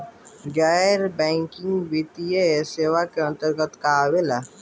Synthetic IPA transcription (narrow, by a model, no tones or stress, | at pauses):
ɡaːɾbɛ̃ːŋkɪ̃ŋɡbiːt̪ijeseːʋakeə̃nt̪əɾɡət̪kawela